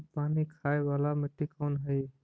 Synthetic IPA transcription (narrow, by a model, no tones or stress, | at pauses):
paːnikʰaːeʋalameʈikənɦəj